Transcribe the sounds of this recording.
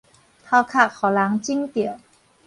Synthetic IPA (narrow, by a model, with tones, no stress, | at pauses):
t̪ʰaː˧˩wkʰaː˧˩k̚kʰːɔː˨˩˦laː˨˩˦ŋt͡ɕi˥ŋt̪i˨˩ə˦w